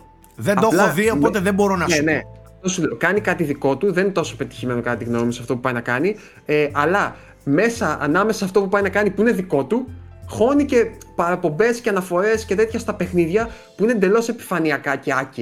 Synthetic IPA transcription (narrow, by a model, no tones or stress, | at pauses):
ðend̪olxoðioppot̪eðebo̞ɾonɐene̞ɐft̪o̞suleokɐnikɐt̪iðiko̞t̪uðe̞ninet̪oso̞pe̞t̪i̥çime̞no̞kɐt̪t̪iɣno̞misɐft̪o̞pupɐinɐkɐni | eɐlɐ | me̞sɐɐ̰nɐme̞sɐːft̪o̞pupɐjnɐkɐnipuine̞ðiko̞t̪u | xo̞nice̞pɐɾɐpo̞mbe̞sceɐnɐfo̞ɾe̞sce̞t̪e̞t̪çɐst̪ɐpe̞xniðʝɐ | puinend̪e̞lo̞se̞pi̥fɐniɐkɐce̞ɐci